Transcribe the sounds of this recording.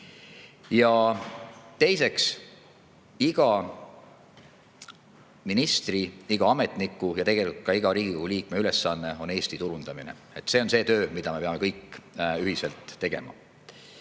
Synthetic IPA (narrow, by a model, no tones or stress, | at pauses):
jɑ | t̪e̞jse̞ks | iɡ̥ɑ | minist̪riiɡ̥ɑɑme̞t̪ˑnikːˑujɑt̪e̞ɡ̥e̞likut̪̚kɑiɡɑɾiːɡikohuliːkme̞yle̞sːɑnːe̞o̞ne̞ːst̪it̪uɾund̪ɑmine̞̰ | e̞t̪ːˑseo̞nse̞ːt̪ø̞ːmid̪̥ɑme̞pe̞ɑmekɤjkːˑyhiselt̪ːe̞ɡ̥e̞̰mɑ̰